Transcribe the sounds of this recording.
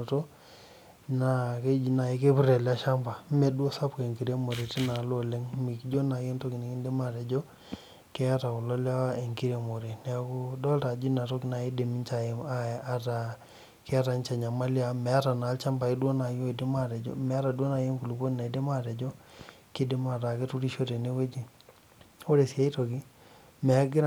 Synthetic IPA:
o˨to˦ | na˨ke˦d͡ʒi˨na˨i˦ke˦pu˦ɾa˨la˦ʃa˦mba˨˦me˨dwo˦sa˦pke˨ŋki˨ɾe˦mo˨ɾe˨ti˦na˨˦lo˦le˦ŋmi˨kd͡ʒo˦na˨je˦nto˦kɪ˨ne˨ki˦nde˦ma˦ɾɛ˨d͡ʒo˦ | kɛ˦a˦ta˨ʊ˨lɔ˦la˦e˨ŋki˦ɾe˨mo˨ɾe˨nɛ˨a˨kʊ˦dɔ˦lta˨d͡ʒi˦na˨to˦kɪ˨˦na˨i˦de˨mi˦nt͡ʃa˨e˨ma˦˨a˦ta˨ | kɛ˦a˦ta˨nt͡ʃa˨ɲa˨ma˦lja˦mɛ˨a˦ta˨na˨˦lt͡ʃa˦mba˨ɪ˦dwo˦na˨jo˦i˨dɪ˦ma˦ɾɛ˨d͡ʒo̰˦mɛ˨a˦ɾa˨dwo˦na˨jo˦ŋku˨lu˨ko˦n˨na˨i˨dɪ˦ma˦te˨d͡ʒo˦ | kɪ˦dɪ˦ma˨ta˨ke˦tu˦ɾi˦ʃo˦te˨ne˦we˦d͡ʒi˦ | o˦ɾe˨sja˦i˦to˨ki˦ | mɛ˨a˦ɡɪ˦ɾ

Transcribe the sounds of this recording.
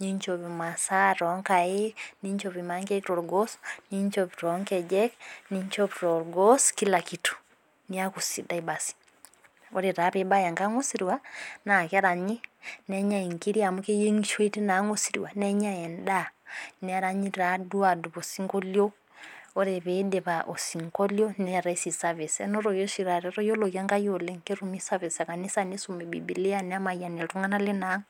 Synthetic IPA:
ɲi˦ɲt͡ʃɔ˨βi˨ma˨sa˦ɾɔ˨˦ŋka˨e˦ni˦ɲt͡ʃɔ˨βi˨ma˨˦ŋke˦kɾɔ˨ɾɡɔ˦sɲi˦ɲt͡ʃɔpiɾɔ˨˦ŋkɛ˨d͡ʒɛ˦kni˦ɲt͡ʃɔ˦pɾɔ˨ɾɡɔ˦ski˦la˨ki˨tu̥˨ | ni˦a˦ku˨si˨da˦i˨ba˨si̥ | ɔ˦ɾe˨ɾa˨˦pe˦ba˦ja˨ŋka˦ŋo˦si˨ɾi˨wa˦na˨ki˦a˦ɾa˨ɲi˦nɛɲa˦i˨ŋki˦ɾi˦a˨mu˦ke˦je˦ŋiʃwe˦ti˦na˨˦ŋo˦siɾḭwa˨nɛɲa˦ɛ˨ndanɛaɾa˦ɲi˦ɾa˨du˦a˨du˨βo˨si˦ŋɡɔ˦ljɔ˦ | ɔ˦ɾɛ˨βɛdɛ˨βaʔo˨si˨ŋkɔ˦ljɔ˦nɛa˨ɾa˦i˦si˨sa˦βɛ˨sɛ̰nɔ˦ɾɔjɔʃi˨ɾa˨ɾɛɾɔ˦jɔ˦lɔkja˦ŋɡa˦jɔ˨lɛŋke˦ɾumi˦sa˦βɛ˨sa˨ka˨ni˦sa˦nesumbɛ˨bḭ˨bi˨li˦anɛa˦ma˨ia˨nɛ˨ltu˦ŋa˦na˦lɛ˦na˦ŋ

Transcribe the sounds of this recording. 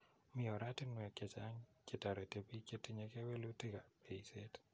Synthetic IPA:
mɪ˨ɔ˨ɾa˦tɪ˦nwɛ˨ke˨t͡ʃa˦ŋke˨ta˨ɾɛ˨te˨bi˦ke˦ti˦ɲe˨ke˦we˦lu˦ti˦ka˨pe˨se˦t

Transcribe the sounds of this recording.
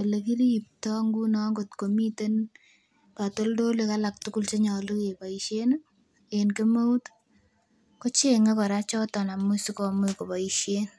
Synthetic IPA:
e˨le˨ki˦ɾi˦i˨p̚tɔ˦ŋɡu˦nɔ˦ŋɡotko˨mi˦te˦n | pato˦ldo˦leka˦lak̚tuku˦lt͡ʃe˦ɲɔ˨lu˦ke˨pa˨iʃe˦n | enke˦mo˦u˦t | ko˦t͡ʃe˦ŋe˦kɔ˨ɾa˦t͡ʃɔ˦tɔ˨na˨mu˦si˦kɔ˨me˦ko˨pa˨iʃe˦n

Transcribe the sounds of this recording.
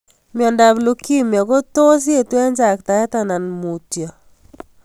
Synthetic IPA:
m˨ɔ˨nda˨blo˦ki˦mjɔ˨ɡo˦to˦s̬je˦˨twɛ˦nd͡ʒa˨kta˨ɛ˦ta˦na˨nmu˨tjɔ˨

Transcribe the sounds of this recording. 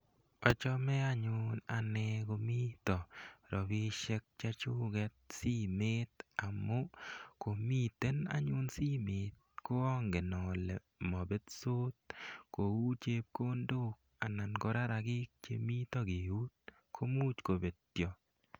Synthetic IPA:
ɔ˨t͡ʃɔ˦mɛ˦a˦ɲʊ˦na˨nɛko˧mi˦t̪ɔ˨ɾɔ˨bi˦ʃɛ˦k̚t͡ʃa˦t͡ʃʊ˦ɡɛ˦t̪̚si˦me˦t̪a˨mo˦ko˨mi˦t̪e˦na̰˦ɲʊ˦nsi˦me˨t̪̚ | ko˦ɔ˦ŋɡe˨nɔ˨le˨ | mɔ˨be˦t̪so˦t̪̚ko˨wu˦t͡ʃe˦p̚ko˦ndo˦k̚ | a˨na˨nɡo˦ɾa˦ɾa˨ɡɪ˦k̚t͡ʃḛ˦mi˦t̪ɔ˦ɡe˨u˦t̪̚ | kʰo˦mu˦t͡ʃko˨be˨ttjɔ˨

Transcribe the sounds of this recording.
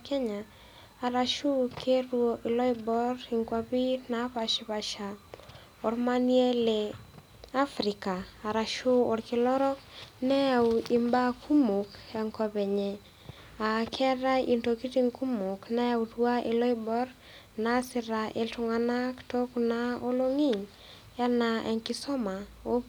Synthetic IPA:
kɛ˦ɲaː˨ | ɾa˨ʃu˦kʰe˦rwo˨ʔɪ˨lɔ˦i˦bɔ˦rɪ˨ŋkwa˦βi˦na˨˦pa˨ʃɪ˦βa˨ʃa˨ | o˨ɾma˦ni˦e˦le˨ | a˦fɾɪ˨ka˨a˨ɾa˨ʃu˦o˨ɾkɪ˨lɔ˦ɾɔ˦nɛ˦ja˨wɪ˨mba˦kʰu˦mu˨kɛ˨ŋkɔ˨βɛ˨ɲɛ˨ | a˨kʰɛ˦ɾa˦i˨nto˨ki˦ti˦ŋku˦mʊ˨knɛ˦ja˦wtwa˦ʔe˨lɔ˦i˦bɔ˦ɾ | na˦sɪ˨ɾa˨ʔe˨ltʊ˨ŋa˨na˦kto˦kna˦o˦lo˦ŋi˦˨ŋ | a˦na˨ʔɛ˨ŋkɪ˦sɔ˦ma˨ | o˦

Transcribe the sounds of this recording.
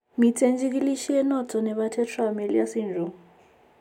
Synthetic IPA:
mi˨tʰe˦nd͡ʒik̬ʼi˦li˦ʃi˦jɛ˦nɔtʰʼɔ˨nɛ˨ɓatʰɛ˦tʰwame˨lḭ˦ja˦si˦nd͡ʒʱɔ˦

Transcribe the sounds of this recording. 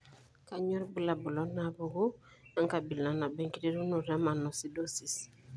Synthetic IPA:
ka˦ɲɔ˦ɾbu˦la˨bu˨lɔ˨˦na˨bu˨ɡu˦ | a˦ŋka˨bi˨la˨na˨bɛ˦ŋki˦de˦ɾu˦nu˨ɾa˦ma˨nɔ˨si˦do˦si˨s

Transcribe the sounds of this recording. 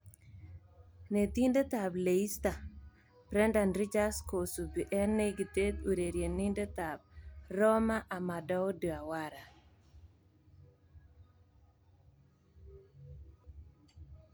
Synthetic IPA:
ne˨t̪i˦nde˦t̪a˨ble˨i˦st̪a˨ | pɾɛ˦nda˨nɾi˦t͡ʃa˦sko˨su˨bi˨ʔɛ˦nːe˦ɡi˨t̪e˦t̪u˨ɾe˨ɾje˨ni˦nde˦t̪a˨b̚rɔ˦ma˦ʔa˨ma˨dɔ˦o˦du˨a˨wa˦ɾa˨

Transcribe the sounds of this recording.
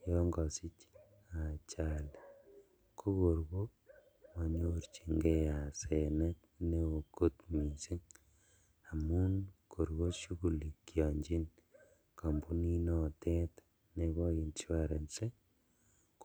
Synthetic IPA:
jɔ˦ŋɡɔ˨si˦t͡ʃ | a˨t͡ʃa˨l | ko˦ko˨ɾɡo˦ | ma˨ɲu˦ɾt͡ʃi˨ŋɡe˦ja˨se˨nɛ˦t | ne˦o˨ko˦tmi˨si˦ŋ | a˨mu˦nko˨ɾɣo˦ʃu˦ku˨li˨kjɔ˨ɲd͡ʒi˦n | ka˨mbu˦ni˦nɔ˨tɛ˦t | ne˨βɔ˦i˨nt͡ʃi˦wa˦ɾe˨nse˦ | k

